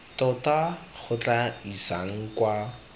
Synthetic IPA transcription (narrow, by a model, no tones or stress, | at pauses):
tɔtak͡xʰʊt͡ɬaisa̰ŋ̩kwa